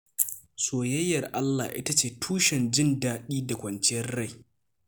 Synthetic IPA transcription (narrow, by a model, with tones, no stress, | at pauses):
soː˨jɐ˦jːɐ˨rʔa˦lːa̰˨ʔɪ̰˦ta˦t͡ʃeː˨tʰuː˦ʃɛ˨nd͡ʒɪ˦ndaː˦ɗiː˦da˨kʷɐ˨nt͡ʃɪ˦jɐ˦rɽa˦˨j